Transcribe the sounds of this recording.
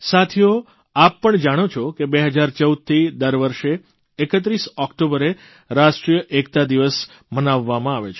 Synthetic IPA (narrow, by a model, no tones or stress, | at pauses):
sat̪ʰijo | apːəɳd͡ʒaɽ̃ot͡ʃʰokebeɦəd͡ʒaɾt͡ʃəud̪̚t̪ʰid̪əɾʋəɾʃeː | kət̪̬ɾisɔkʈobəɾe | ɾaʃʈɾijəʔekt̪ad̪iʋəs | mənaʋːamãaʋet͡ʃʰe